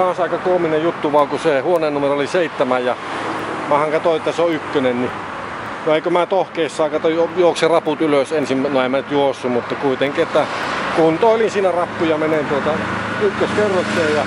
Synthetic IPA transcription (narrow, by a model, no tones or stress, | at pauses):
ɑːsɑˑikɑkuominejjut̪ːuʋɑːkusehuoneːnːumerooliseˑit̪ːæmæjjɑ | mɑhɑŋkɑt̪oˑiet̪ːæseoykːønenni | noeˑikømæːt̪ohkeisːɑˑikɑt̪ɑjoˑokserɑput̪yløsensimnoemːænyt̪juosːumut̪ːɑkuit̪eŋkiet̪ːækunt̪oˑlinsiːnærɑpːujɑmenent̪uot̪ɑykːøskerːokseːjjɑ